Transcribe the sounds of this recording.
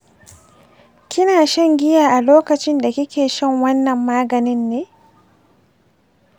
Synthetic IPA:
kʲɪ˦naː˨ʃɐ˦ŋɡʲɪ˦jaː˨ʔa˨loː˦kɐ˨t͡ʃɪ˦nda˨kʲɪ˦kʲeː˨ʃɐ˦ŋwɐ˦nːɐ˨mːaː˦ɡɐ˨nɪ˦nːeː˦

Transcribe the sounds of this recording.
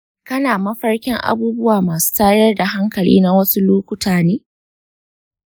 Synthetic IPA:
kɐ˦naː˨mɐ˦ɸɐ˦rkʲɪ˦ŋʔa̰˦buː˦bʊ˦waː˨maː˨su̥ː˦taː˦jɐ˦rda˨ɦa˦ŋkɐ˨lḭː˦na˦wɐ˦su˦loː˦kʷʊ˦tʰaː˨neː˦

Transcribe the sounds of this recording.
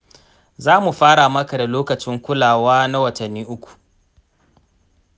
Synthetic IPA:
zaː˦mu˨ɸaː˦ɽa˨mɐ˦ka˨da˨loː˦kɐ˨t͡ʃɪ˦ŋkʷʊ˦laː˨waː˦na˦wɐ˨tɐ˨nːiː˦ʔʊ˦kʷu̥˨ʔ

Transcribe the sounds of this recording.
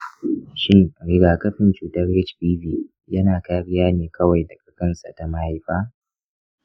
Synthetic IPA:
ʃɪ˦ŋ˨ɾɪ˦ɡaː˨kɐ˦ɸɪ˨nt͡ʃuː˨tɐ˦rːɛ˦t͡ʃpiː˦viː˦˨ | jɐ˦naː˨kaː˦ɸɪ˦jaː˦neː˨kʰɐ˦wa˨jdɐ˨kʼɐ˦kɐ˦nsa̰˨ta˨ma˦ha˦jɸaː˦

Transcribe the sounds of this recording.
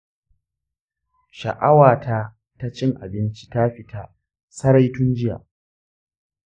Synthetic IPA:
ʃɐ˨ʔa˦waː˨tʰa˦ | ta˦t͡ʃɪ˦ŋʔa̰˨bɪ˦nt͡ʃi̥˦ta˦ɸɪ˦tʰa˦ | sɐ˦ɾa˦jtʊ˦nd͡ʒɪ˦ja̰ː˨

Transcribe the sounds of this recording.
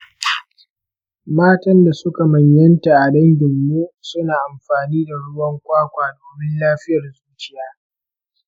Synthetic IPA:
maː˦tɐ˦nda˨sʊ˦ka˨mɐ˨ɲjɐ˦nta˨ʔa˨dɐ˦ŋɡʲɪ˨mːuː˦sʊ˦naː˨ʔa˨mɸaː˨niː˦da˨ɽʊ˦wɐ˦ŋkʷaː˦kʷaː˨doː˨ɽɪ˦nlaː˦ɸɪ˦jɐ˨rzuː˦t͡ʃɪ˦jaː˦

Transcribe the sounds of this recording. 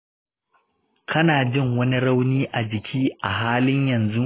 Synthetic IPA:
kʰɐ˦naː˨d͡ʒɪ˦˨ŋwɐ˦ni˦ɽɐ˦wniː˦ʔa˨d͡ʒɪ˨kʲʰiː˦ʔa˨ɦaː˦lɪ˦ɲjɐ˨nzu˦

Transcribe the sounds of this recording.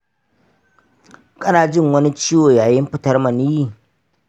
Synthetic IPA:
kʼɐ˦naː˨d͡ʒɪ˦˨ŋwɐ˦ni˦t͡ʃiː˦woː˨jaː˨jɪ˦mɸɪ˦tɐ˦rmɐ˨niː˦jiː˨

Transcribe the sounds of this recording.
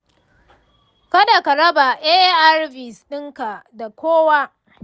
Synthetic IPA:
kɐ˦da˨ka˨ɾɐ˦ba˨ʔeː˦ʔʔa˦rbɪ˨sɗɪ˦ŋka˨da˨kʷoː˦wa˦

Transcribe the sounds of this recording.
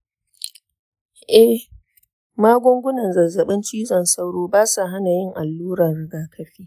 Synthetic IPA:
ʔɛ˦ | maː˦ɡʷʊ˦ŋɡʷʊ˦nɐ˨nzɐ˨zɐ˨ɓɪ˦nt͡ʃiː˦zɔ˨nsa˦wɽoː˦baː˦sa˨ɦa˦na˨jɪ˦˨ŋʔa˨lːuː˦ɾɐ˨nɽɪ˦ɡaː˦kʰɐ˦ɸiː˦

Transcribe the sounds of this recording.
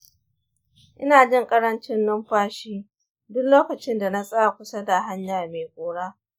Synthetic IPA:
ʔɪ˦naː˨d͡ʒɪ˦ŋkʼɐ˦ɽɐ˦nt͡ʃɪ˦nːʊ˦mɸaː˦ʃiː˦ | dʊ˦kloː˦kɐ˨t͡ʃɪ˦nda˨na˦sʼɐ˦a˨kʷʊ˦sa˦da˨ɦa˦ɲjaː˨rmeː˨kʷʼoː˨ɽaː˦

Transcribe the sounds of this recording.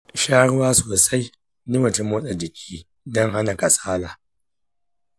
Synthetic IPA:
ʃaː˦ɽʊ˦waː˦soː˨sa˦j | ni˦mɐ˨tu˦moː˦ɗa˨d͡ʒɪ˨kʲʰiː˦ | dɔ˦ŋɦa˦na˨ka˨sʼaː˦laː˨

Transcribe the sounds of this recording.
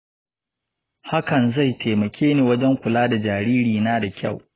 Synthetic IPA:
ha˦kɐ˨nza˦˨jtʰeː˨mɐ˨kʲʰeː˦neː˨wɐ˦d͡ʒɛ˦ŋkʷʊ˨laː˦da˨d͡ʒaː˨ɾiː˦ɾiː˨naː˦da˨kʲa̰˦˨w

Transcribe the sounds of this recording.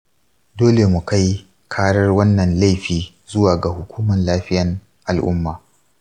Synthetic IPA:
doː˦le˨mu˨ka˦j | kʰaː˦ɽɐ˦rwɐ˦nːɐ˨nla˦jɸiː˨ | zʊ˦waː˨ɡa˨hʊ˨kʷʰuː˦mɐ˨nlaː˦ɸɪ˦jɐ˨ŋ | ʔa˨lʔʊ̰˦mːaː˨

